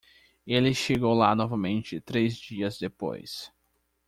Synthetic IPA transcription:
elɪʃeɡowlanɔvɐmẽnt͡ʃɪt̪ɾezd͡ʒiɐzd̪epo̰js

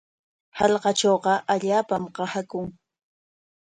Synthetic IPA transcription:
hɑʎqɑt͡ʃoːqɑʔaʎaːpamqɑhakʊŋ

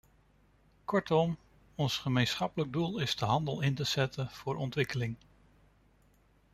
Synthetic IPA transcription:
kɔɹtɔm | ɔnsχəmejnsχɑpələɡ̚dulˠɪzdəɦɑndəlˠɪntəz̥ɛtənv̥ʊːɹʔɔntʋɪkəlɪŋ

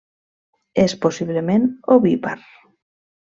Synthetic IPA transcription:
esposiβlemẽnoβipa̰ɾ

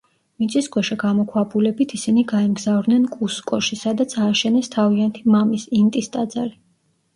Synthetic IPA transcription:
minsʰiskʰʼwɛʃaɡamɔkʰwabulɛbit̪ʰisiniɡaɛmɡzavɾd̪nɛnkʼuskʼɔʃisad̪at̪sʰaːʃɛnɛst̪ʰaviant̪ʰimamisint̪ʼist̪ʼad̪zaɾi

